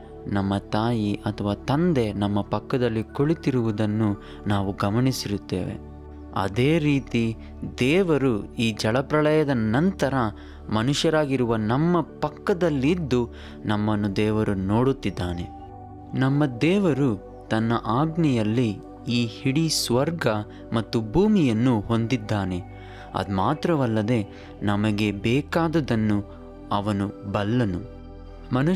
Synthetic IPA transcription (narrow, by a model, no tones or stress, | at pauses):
nɐmːɐt̪aːjiʔɐt̪ʰɐʋaːt̪ɐnd̪e̞nɐmːɐpɐkːɐd̪ɐlːikoɭit̪iɾuʋud̪ɐnːu | naːʋuɡɐmɐɳisiɾut̪ːḛːʋḛ | ɐ̰d̪eːɾiːt̪i | d̪ɛːʋɐɾuiːd͡ʒɐɭɐpɾɐɭɐjɐd̪ɐnɐnt̪ɐɾɐ | mɐnuʃjɐɾaːɡiɾuʋɐnɐmːɐpɐkːɐd̪ɐlːid̪ːu | nɐmːɐnːud̪ɛːʋɐɾuno̞ːɽut̪ːid̪ːaːne̞ | nɐmːɐd̪ɛːʋɐɾu | t̪ɐnːɐʔaːɡnɛjɐlːi | iːhiɽisʋɐɾɡɐ | mɐt̪ːubʱuːmijɐnːuho̞nd̪id̪ːaːne̞ | ɐ̰d̪maːt̪ɾɐʋɐlːɐd̪e̞ | nɐmɐɡe̞bɛːkaːd̪ɐd̪ɐnːu | ɐʋɐnubɐlːɐnu | mɐn